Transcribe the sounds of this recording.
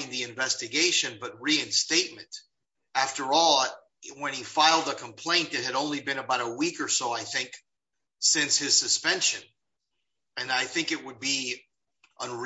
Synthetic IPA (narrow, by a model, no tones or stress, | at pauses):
ɪ̃ŋðiɨ̃ɱvɛstɨɡeɪʃɨ̃nbʌt̚ɹiɨ̃nsteɪt̚mɨ̃nt | æftə˞ɔlˠ | wə̃nifaɪlˠdəkʰə̃mpʰl̥ẽɪ̃nðɨt̚hɨɾõʊ̃nlibɨ̃nəbaʊɾəwikə˞soʊaɪθɪ̃ŋk | sɪ̃nshɨz̥sɨspɛ̃nʃɨ̃n | ɨ̃naɪθɪ̃ŋkɨt̚wəd̚bi | ʔə̃nɹ